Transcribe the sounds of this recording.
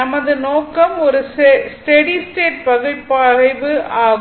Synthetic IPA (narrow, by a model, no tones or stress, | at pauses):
ɐmɐðɯnoːkːɐmɔɾɯssʈɛɽisʈeːʈ̚pɐɣɯɭpːɐɾɐɪʋɯʔaːɣ